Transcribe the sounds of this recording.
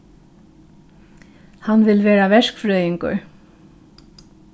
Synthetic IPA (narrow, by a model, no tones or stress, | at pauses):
hanʋɪlʋeːɾaʋɛʂkfɾœːjɪŋkʊ̰ɹ